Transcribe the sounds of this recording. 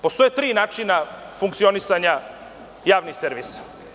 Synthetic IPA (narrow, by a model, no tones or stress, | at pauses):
po̞st̪o̞jet̪ɾiːnaːt͡ʃina | fuŋkt̪sio̞nisaɲa | jaːʋnixseɾʋiːsḁ